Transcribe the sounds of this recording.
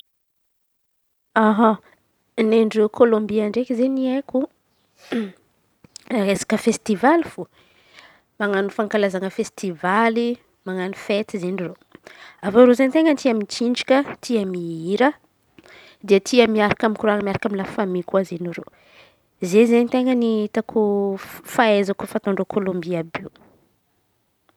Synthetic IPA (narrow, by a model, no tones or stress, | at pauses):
aɦa | neɳɖ͡ʐrewkʰolõmbiaɳɖ͡ʐekizenieku | ezḁkəfest̪ivalifo | maŋanufaŋkalazaŋəfest̪ivali | maŋanufet̪izeniro | avoɾozent̪eŋənt̪iamit͡ʃiɳɖ͡ʐikʲət̪ʰiəmiiɾə | d̪iət̪ʰiəmiaɾakamikuɾanəmiaɾakaminlafamikuazeniɾo̰ | zezenit̪eŋəniit̪akʰufaezakufant̪aɳɖ͡ʐokʰolõmbiabiw